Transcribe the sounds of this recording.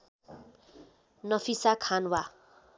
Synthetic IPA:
nʌpʰisakʰanwa

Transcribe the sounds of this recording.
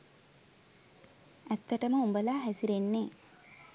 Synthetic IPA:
æt̪ːəʈəməumbəlaːɦæsiɾenːeː

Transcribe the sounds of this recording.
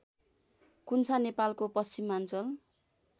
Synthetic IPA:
kunt͡sʰanepalkopʌst͡simːant͡sʌl

